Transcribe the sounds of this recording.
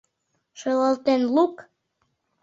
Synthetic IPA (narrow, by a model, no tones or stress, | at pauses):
ʃɤləlt̪enluk